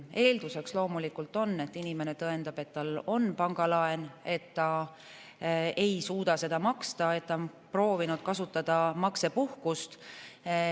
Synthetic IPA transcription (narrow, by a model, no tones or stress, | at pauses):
e̞ːld̪̥use̞kslo̞ːmulikult̪ˑo̞nːe̞t̪ːˑinime̞ne̞t̪ɤe̞nd̪̥ɑb̥e̞t̪ːɑlo̞npɑŋɡ̥ɑlɑe̞ne̞t̪ːɑ | e̞jsuːd̪̥ɑse̞d̪̥ɑmɑkst̪ɑe̞t̪ːɑ | pro̞ːvinud̪̥̚kɑsut̪ːˑɑd̪̥ɑmɑkse̞puhkust̪